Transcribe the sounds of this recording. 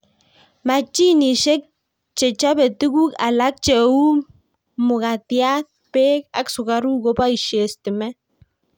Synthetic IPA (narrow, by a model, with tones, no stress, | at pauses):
ma˨t͡ʃi˦ni˨ʃe˦k̚ | t͡ʃe˨t͡ʃa˦bɛ˨tu˦ku˦ka˨la˦k̚t͡ʃe˨u˦ | mʊ˨ka˨tja˦t̚pe˦k̚a̰˨ksʊ˨ka˨ɾu˦ko˦pa˦i˨ʃe˨sti˨mɛ˦